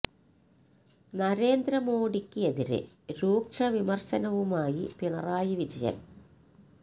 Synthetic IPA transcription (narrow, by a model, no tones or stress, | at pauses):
nɐɾe̞ːnd̪ɾɐmoːɽikʲːɨeðiɾɨ̰ | ɾuːkʂɐʋimɐrɕɐnɐʋumaːjipiɳɐraːjiʋid͡ʑɐjɐ̰m